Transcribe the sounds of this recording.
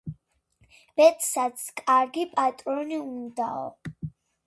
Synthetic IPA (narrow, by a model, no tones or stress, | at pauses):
b̥ɛt̪ʼsat̪sʰkʼaɾɡipʼat̪ʼɾɔniund̪aɔ̰